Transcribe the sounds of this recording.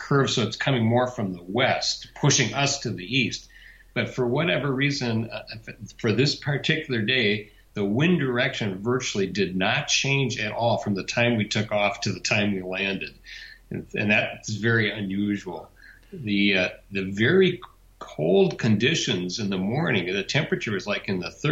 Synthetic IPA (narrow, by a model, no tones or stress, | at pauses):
kʰɜ˞v̥soʊɨtskʰʌmɪ̃ŋmɔɹfɹʌ̃mðəwɛst̚pʰʊʃɪ̃ŋʔʌstʰɨðiist | b̥ʌtfə˞wʌɾɛvə˞ɹizɨ̃n | fə˞ðɪspʰə˞tʰɪkjl̩ˠə˞deɪ | ðəwɪ̃ndə˞ɛkʃɨ̃nvɜ˞t͡ʃl̩ˠidɨdⁿnət̚t͡ʃʰẽɪ̃nd͡ʒɨɾʔɔlˠfɹʌ̃mðɨtʰãɪ̃mwitʰʊkɔftʰɨðɨtʰãɪ̃mwilæ̃ndɨdɨɨ̰̃nðɨɾsvɛɹiɨ̃njʉʒwl̩ˠ | ðɨðɨvɛɹi | kʰoʊlˠd̚kʰɨ̃ndɪʃɨ̃nzɨ̃nðəmɔɹnɪ̃ŋðɨtʰɛ̃mpɹɨt͡ʃə˞ʌzlaɪkɨ̃nðɨθ